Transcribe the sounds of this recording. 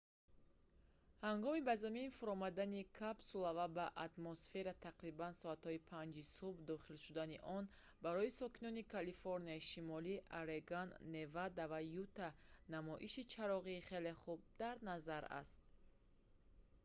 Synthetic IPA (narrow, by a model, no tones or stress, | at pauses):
haŋɡɔmibazaminfuɾɔmad̪anikʰabsulavabaʔat̪mɔsfe̞ɾat̪ʰaqɾibansɔat̪hɔipʰand͡ʒisubd̪ɔχilʃud̪aniʔɔn | baɾɔisɔkinɔnikʰalifoɾniaiʃimɔliʔaɾeɡanːe̞vad̪avajut̪anamɔʔiʃit͡ʃʰaɾɔʁiːχe̞le̞χub̚d̪aɾnazaɾa̰st̪̚